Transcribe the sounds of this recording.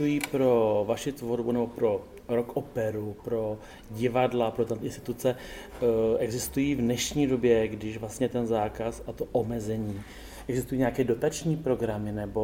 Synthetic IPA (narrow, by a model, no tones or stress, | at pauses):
ujiːpɾo̞vaʃɪt̪voɾbunɛbo̞pɾo̞ | ɾokʔopɛɾupɾo̞ | ɟɪvadlapɾot̪ant̪ɪnst̪ɪ̥t̪ut͡sɛ | ʔɛɡzɪst̪ujiːvnɛʃɲiːdo̞bjɛɡdɪʃvlast̪ɲɛt̪ɛnzaːkasat̪o̞ʔomɛzɛɲiː | ʔɛɡzɪst̪ujiːɲeɛakɛːdo̞t̪at͡ʃɲiːpɾo̞ɡɾamɪnɛbo̞